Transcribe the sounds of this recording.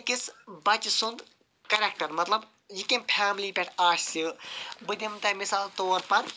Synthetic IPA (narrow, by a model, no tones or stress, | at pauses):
kisbɐt͡ʃsund̪ | kɐɾʲekʈɐɾmɐt̪lɐb | jikempʰaːmliːpʲeʈʰaːʃsibɨd̪ʲimt̪ɐmisaːlt̪oːɾpɐɾ